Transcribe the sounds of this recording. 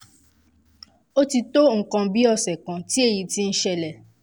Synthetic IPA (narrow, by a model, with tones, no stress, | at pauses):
o˦ti˧to˦ŋ̩˨kã˧bi˦ɔ˦˧sɛ˨kã˨ti˦e˦˨ji˨ti˦n̩˦ʃɛ˧lɛ˨